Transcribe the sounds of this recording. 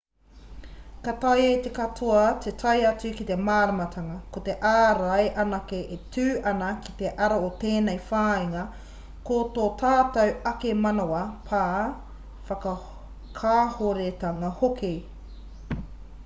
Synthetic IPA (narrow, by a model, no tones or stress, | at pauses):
katɐjit̪e̞kɐtʰoɐt̪ʰetʰɐjɐt͡sʉkit̪e̞maːɾɐmɐtʰɐŋɐkot̪eʔaːɾɐjʔɐnɐkeʔetʉːʔɐnɐki̥t̪e̞ʔɐɾaot̪eːnejfaːiŋɐ | koːtoːtʰaːtɐwɐkemɐnoɐpʰaː | fɐkɐ | kʰaːhoɾet̪ɐŋɐhokʰe